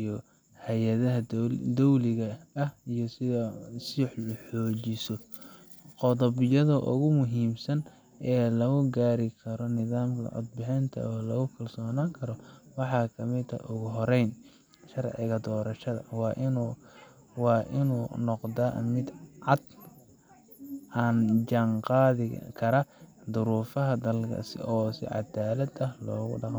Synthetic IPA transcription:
jɔ | hɛjɐðɐɦɐd̪ɔwlɪɣɐːhijɔsɪsiħlɐħɔːt͡ʃɪsɔ | qɔðɔβɪjɐðʊʔʊ̰ɣʊmʊɦiːmsɐn | ʔɛːlɐɣʊɡaːɾɪkʰɐɾɔnɪðaːmkʰɐ̰ʕʊ̰d̪̚bɪħɛnt̪ʰɐ̰ɔːlɐɣʊkʰɐlsɔːnaːŋkʰɐɾɔwɑħɑːkʰɐmɪt̪ʰɐ̰ʔʊɣʊɦɔɾɛjn | ʃɐrʕɪ̰ɣɐd̪ɔːɾɐʃɐðɐ̰wɑːʔɪnː | wɑːʔɪnuːnɔqd̪amɪd̪ʕɑd̪ | ʔaːnd͡ʒɐŋqɑːðɪkʰɐɾɐd̪ʊɾuːfɐɦɐd̪ɐlkʰɐ̰sɪ̰ɔːsɪ̰ʕɑ̰d̪aːlɐd̪ɐhlɔːɣʊ̰ɖɑq

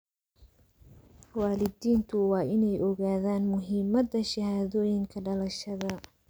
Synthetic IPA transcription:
waːlɪdiːnt̪ʰʊwɑːʔɪnɛjʔɔɣaːðaːnmʊɦiːmɐd̪ːɐʃɐhaːðɔːjɪŋkʰɐɖɐlɐʃɐðɐ

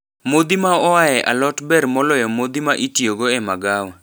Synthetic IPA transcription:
mod̪imaɔajɛʔa̰lɔtbɛɾmɔlɔjɔmod̪imaʔitjoɡoɛmaɡawa

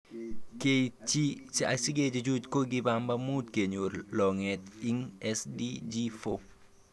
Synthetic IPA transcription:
ket͡ʃit͡ʃiasiɡed͡ʒed͡ʒutkoɡibambamut̚keɲuɾlɔŋɛt̪iŋɛsdid͡ʒifo

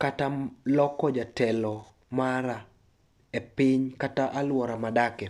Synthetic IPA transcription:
katalɔkɔd͡ʒatɛlɔ | maɾa | epɪɲkataʔalwɔɾamadakɛ

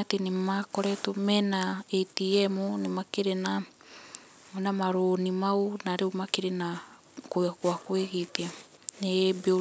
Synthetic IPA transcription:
atenemakoɾɛtomɛnaetiɛmonemakeɾena | monamaɾonimaonaɾeomakeɾena | koakwakweɣetia | nebeo

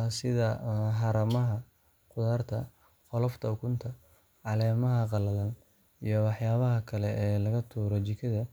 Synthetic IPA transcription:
sɪðɐɦɑɾɐmɐɦɐ | qʊðaːrt̪ʰɐ | qɔlɔft̪ʰɐʊkʰʊnt̪ʰɐ | ʕɑlɛːmɐɦɐqɑlɐlɐn | ijɞwɑħjaːβɐɦɐkʰɐlɛʔɛːlɐɣɐt̪ʰuːɾɔt͡ʃɪkʰɐðɐ

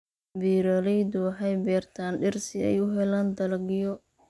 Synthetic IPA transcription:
biːɾɐlɛjd̪ʊwɑħɑjbɛːrt̪ʰaːnɖɪrsɪɛ̰jʊɦɛlaːnd̪ɐlɐɡɪjɔ

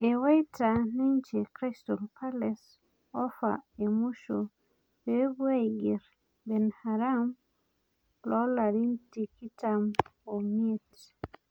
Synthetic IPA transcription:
ewajtaniɲt͡ʃekɾɛstɔlpales | ɔfa̰emuʃo | bebwajɡiɾ | bɛnhaɾam | lɔlaɾintikitamomiet

